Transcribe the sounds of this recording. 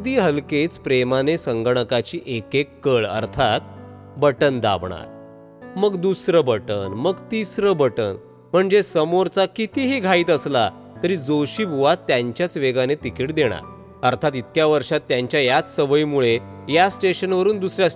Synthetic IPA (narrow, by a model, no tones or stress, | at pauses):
d̪iːɦəlket͡spɾemanesəŋɡɳəkat͡ɕiːʔekekːəɭə̰ɾt̪ʰat̪ | bəʈənd̪a̰bɳa̰ɾ | məɡd̪usɾəbəʈənməɡt̪isɾəbəʈən | m̤əɳd͡zesəmoɾt͡sakit̪iːɦiːɡʱaiːt̪əsla | t̪əɾiːd͡zoɕiːbʱuʋat̪ːjaɲt͡ɕjat͡sʋeɡanet̪ikiːʈd̪eɽ̃a̰ɾ | əɾt̪ʰat̪it̪kjaʋəɾʂat̪ːjaɲt͡ɕjajat͡ssəʋəimuɭejasʈeɕənʋəɾuːnd̪usɾjas